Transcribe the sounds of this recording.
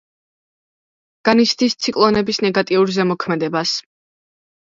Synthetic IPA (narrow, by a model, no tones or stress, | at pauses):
ɡ̥anisʰd̪ist̪sʰikʼlˠɔnɛbisnɛɡat̪ʼiuɾzɛmɔkʰmɛd̪ɛbas